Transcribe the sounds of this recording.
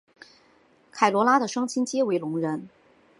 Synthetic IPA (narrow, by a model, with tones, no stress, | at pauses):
kʰa˨˩ɪlwɔ˧˥la˥d̪ə˨ʂɑ˥ŋt͡ɕʰi˥nt͡ɕjɛ˥we˧˥ɪlʊ˧˥ŋɻə˧˥n